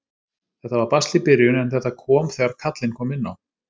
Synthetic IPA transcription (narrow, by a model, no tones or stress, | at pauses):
θɛht̪avaɾpast̪lɪpɪɾjʏnɛnθɛht̪ːakʰɔːmθɛːɣaɾkʰat̪lɪnkʰɔːmɪnːaw